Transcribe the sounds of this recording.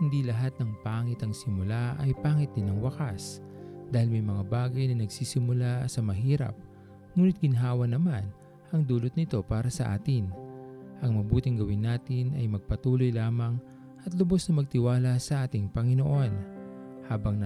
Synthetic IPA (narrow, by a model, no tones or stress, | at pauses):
hɪnd̪ilɐɦat̪̚nɐŋpaːŋɪt̪ɐŋsɪmʊlaʔɐjpaːŋɪt̪̚d̪ɪnɐŋwɐkas | d̪aːhɪlmɐjmɐŋabaːɡɐjnɐnɐɡsiːsɪmʊlasɐmɐɦiːɾɐ̰p̚ | ŋuːnɪt̪̚ɡ̥ɪnɦaːwɐnɐman | ʔɐŋd̪uːlʊt̪̚nɪt̪o̞paːɾɐsɐʔa̰ːt̪ɪnʔɐŋmɐbuːt̪ɪŋɡɐwɪnːaːt̪ɪnʔɐjmɐɡ̚pɐt̪uːlojlaːmɐŋ | ʔɐt̪lʊbo̞snɐmɐɡ̚t̪ɪwaːlɐsɐʔaːt̪ɪŋpɐŋɪnoʔo̞nhaːbɐŋnɐ